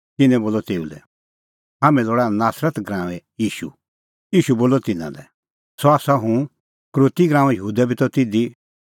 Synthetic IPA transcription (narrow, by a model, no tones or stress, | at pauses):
t̪ɪnɛ̃boːlɔt̪eːulɛ̰ | ɦaːmɛ̃loːɽanaːsɾət̪ɡɾãːʋ̃ɛjiːʃṵ | iːʃuboːlɔt̪ɪnã̰lɛ̰ | sɔaːsaɦũ | kɾoːt̪iɡɾãːʋɛ̃jəɦuːd̪ɛbʱit̪ɔt̪ɪd̪i